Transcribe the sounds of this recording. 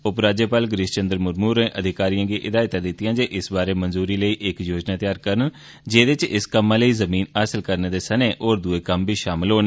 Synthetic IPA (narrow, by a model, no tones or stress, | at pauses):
ʊpɾaːd͡ʒəːpaːlɡɾɪʃt͡ʃənd̪əɾmʊɾmuːɾẽːʔəd̪ʱɪkaːɾijãːɡiːʔɪd̪aːɪt̪ãːd̪ɪt̪ːɪjãːd͡ʒeːʔɪsbaːɾeːmənzuːɾiːləiːʔɪkjoːd͡ʒnaːt̪ɪjaːɾkəɾən | d͡ʒeːd̪ɪt͡ʃɪskəmːãːləiːzəmiːnəːsəlkəɾneːd̪eːsəneːʔoːɾd̪ueːkəmbiːʃaːmɪlɦoːne